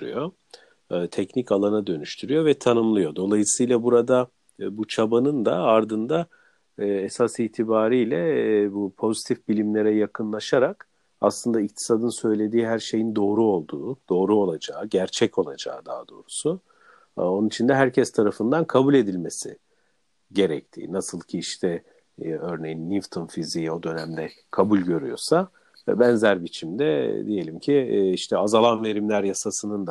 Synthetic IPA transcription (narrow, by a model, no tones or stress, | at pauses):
ɾy̰jo̞ | t̪ʰɛcnicalˠanad̪ø̞nyʃt̪ʰyɾyjo̞vɛt̪ʰanɯmlˠɯjo̞d̪o̞lˠajɯsɯjlˠabuɾad̪a | but͡ʃʰabanɯnd̪aaɾd̪ɯnd̪aː | esasiːt̪ʰibaːɾijlʲɛbupʰo̞zit̪ʰifbilʲimlʲe̞ɾɛjakʰɯnlˠaʃaɾak | a̰slˠɯnd̪aic̚t̪ʰi̥sad̪ɯnsø̞jlʲe̞d̪iːɦæɾʃe̞jind̪o̞ːɾuo̞lˠd̪uːd̪̥o̞ːɾuo̞lˠad͡ʒaːɟæɾt͡ʃʰɛco̞lˠad͡ʒa̰ːɯd̪aːd̪o̞ːɾusu | o̞nunit͡ʃʰind̪ɛɦæɾcʰɛst̪ʰaɾafɯnd̪ankʰabulʲe̞d̪ilʲme̞sḭ | ɟe̞ɾɛc̚t̪ʰḭːnasɯlˠcʰiiʃt̪ʰɛ | ø̞ɾne̞jinːift̪ʰunfizijo̞d̪ø̞næmd̪ɛ | kʰabulʲɟø̞ɾyjo̞̰sa | vɛ̰bɛnzæɾbit͡ʃʰimd̪ɛd̪ije̞lʲimcʰiiʃt̪ʰɛazalˠanve̞ɾimlʲæɾjasasɯnɯnd̪a